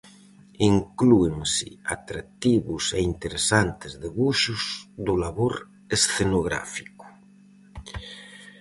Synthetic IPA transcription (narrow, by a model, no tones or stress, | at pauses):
iŋklueŋsḭat̪ɾak̚t̪iβuseint̪eɾesant̪ezðeβuʃuzd̪ulaβoɾ | esθenoɣɾa̰fiku̥